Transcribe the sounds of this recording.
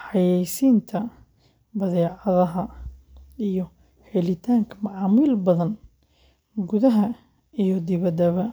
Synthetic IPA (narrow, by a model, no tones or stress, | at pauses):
ħɑjɛjsiːnt̪ʰɐ | bɐðɛːʕɑðɐɦɐ | ijɞ | hɛlɪt̪ʰaːŋkʰɐmɑʕɑːmiːlbɐðɐn | ɡʊðɐɦɐ | ijd̪ɪβɐd̪ɐβɐ